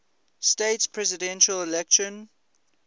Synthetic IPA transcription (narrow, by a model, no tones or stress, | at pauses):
steɪtspʰɹɛzɪdɛ̃nʃəlɪlɛkʃə̃n